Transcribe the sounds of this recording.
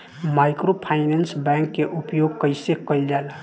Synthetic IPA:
maɪkɾopʰaɪnensbɛ̃ŋkːeʔupjoɡ̚kəɪsekəjld͡ʒal

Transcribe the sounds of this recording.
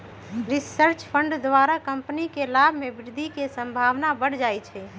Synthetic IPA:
ɾisəɾt͡ʃpʰəɳɖd̪ʋaɾakəmpnikelabʱmebɪɾd̪ʱikesəmbʱaʋnabəɽ̤d͡ʒajt͡ʃʰɛ

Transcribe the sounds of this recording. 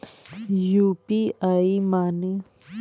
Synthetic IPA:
jupiaimaːne

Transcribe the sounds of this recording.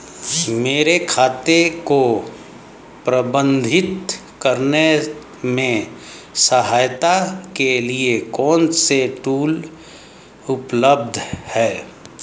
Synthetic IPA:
meːɾekʰaːt̪eko | pɾəbə̃nd̪ʱɪt̪ | kəɾne | mẽ | səɦaːjt̪akeliekɔːnseʈuːl | ʊpləb̚d̪ʱhɛː

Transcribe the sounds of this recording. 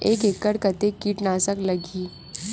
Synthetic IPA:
eːkeːkːəɽkət̪ekːiːʈnaːsəklɐɡiː

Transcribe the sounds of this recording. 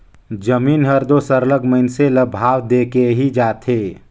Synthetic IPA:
d͡ʒəmiːnɦəɾd̪osəɾləɡməɪnseləbʱaːwd̪eːkeɦid͡ʒaːt̪ʰeː

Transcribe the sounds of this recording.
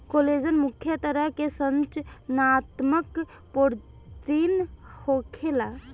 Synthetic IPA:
koled͡ʒənmukʰjət̪əɾəɦkesənt͡ʃnat̪mək | poɾ | t̪inhʰokʰela

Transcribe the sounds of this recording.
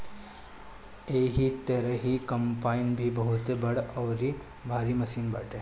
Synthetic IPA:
eɦit̪eɾəɦikɐmpainbʱibəɦut̪ebəɽɐʋɾi | bʱaɾiməsiːnba̰ːʈʰe

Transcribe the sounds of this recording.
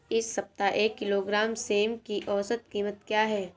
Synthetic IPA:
ɪsːɐp̚t̪aʔeːkːɪloːɡɾaːmseːmkiʔɔːsət̪̚kiːmət̪kjaːɦɛː

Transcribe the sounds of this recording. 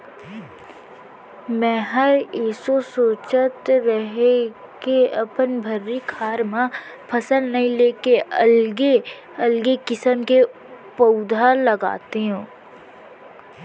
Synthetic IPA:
mɛ̃ːɦəɾɪsosoːt͡ʃət̪ɾɐɦe | keɐpənbʱɐɾːikʰaːɾmã | pʰɐsəlnɐɦĩleːkeɐlɡe | ɐlɡekɪsəmke | pəʊd̪ʱalɐɡa̰ːt̪eɦũː

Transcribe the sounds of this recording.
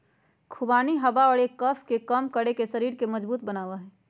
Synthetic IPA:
kʰʊbaːniɦɐbaɔːɾeːkːəpʰkekəmkəɽekesɐɾiːɾkemɐd͡ʒbuːt̪̚bənaːʋaɦɛː

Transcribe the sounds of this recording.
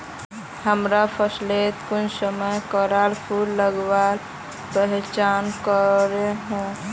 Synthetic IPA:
həmɾapʰəslet̪kʊnsəməjkəɾalpʰulləɡwal | pəɦt͡ʃankəɾeɦɛ̃

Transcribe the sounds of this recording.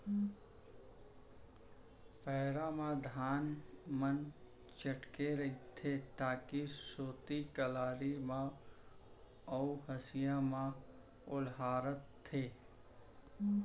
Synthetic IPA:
pɛɦɾãmãd̪ʱaːnmən | t͡ʃəʈkeɾɐit̪ʰːet̪aːkisoːt̪ikəlaːɾimã | əuɦəsɪjãmã | ʊlɦaːɾət̪ʰːeː

